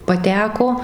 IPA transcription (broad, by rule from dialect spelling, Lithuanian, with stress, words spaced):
pɐˈtʲæːkoː